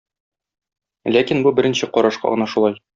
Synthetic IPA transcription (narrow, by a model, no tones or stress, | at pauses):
lækinbubɘ̆ɾɘ̆nɕɘqɒɾɑʃqɑ̰ʁɤ̆nɑʃulˠɑj